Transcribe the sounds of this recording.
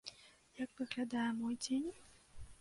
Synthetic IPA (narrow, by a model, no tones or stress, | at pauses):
jakvɨɣlʲad̪ajɛmɔjd͡zʲenʲ